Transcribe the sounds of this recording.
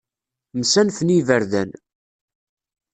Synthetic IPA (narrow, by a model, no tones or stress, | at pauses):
msænθənivəɾðæ̰n